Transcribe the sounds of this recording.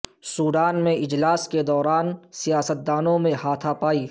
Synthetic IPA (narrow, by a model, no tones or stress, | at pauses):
suːɖaːnmẽʔɪd͡ʒlaːsked̪ɔːɾaːnsijaːsət̪̚d̪aːnõmẽhaːt̪ʰapaːiː